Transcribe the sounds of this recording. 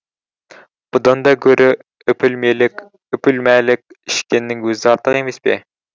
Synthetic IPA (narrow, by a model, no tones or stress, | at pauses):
b̥ud̪ɑnd̪ɑɡʲøɾʔɪ | øpʰylmelɪkʲ | øpʰylmɛlɪk̚ʲiʃkʲɪnːɪŋɡøzɑɾt̪ʰəʁemɪspɪ̰